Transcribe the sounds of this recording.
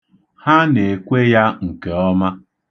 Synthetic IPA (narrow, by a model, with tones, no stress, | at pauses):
ha˦ne˨kʷe˦ja˦ŋ̩˨ke˨ɔ˦ma˦